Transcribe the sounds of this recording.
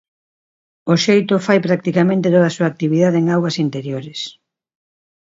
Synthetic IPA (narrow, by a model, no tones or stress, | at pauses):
oʃejt̪ʊfajpɾak̚t̪ikamẽnt̪et̪oð̞asuaːk̚t̪iβiðaðeeŋawɐsint̪eɾjoɾɪs